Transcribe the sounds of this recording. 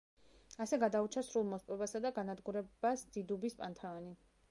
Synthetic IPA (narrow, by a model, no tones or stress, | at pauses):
asɛɡad̪aut͡ʃʰasɾulˠmɔspʼɛbasad̪aɡanad̪ɡuɾɛbasd̪̥id̪ubispʼant̪ʰaɔni